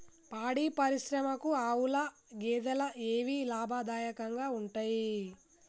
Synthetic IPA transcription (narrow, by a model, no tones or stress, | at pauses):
paːɽiːpɐɾiʃɾɐmɐkuaːwulɐ | ɡɛːd̪ɐlɐʔeːʋiːlaːbʱaːd̪aːjɐkɐŋɡaːuɳʈaːji